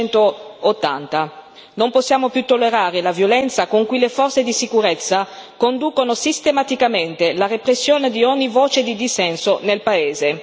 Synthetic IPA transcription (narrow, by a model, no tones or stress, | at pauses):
nt̪oot̪ːa̰nt̪a | nomposːjaːmopjut̪ːolːeɾaːɾelavjolɛnt̪sakoŋkuilefɔrtsed̪isikuɾet̪sːakond̪uːkonosist̪emat̪ikament̪elarepɾesːjoːned̪ioɲːivoːt͡ʃed̪id̪isɛnsonelpaeːze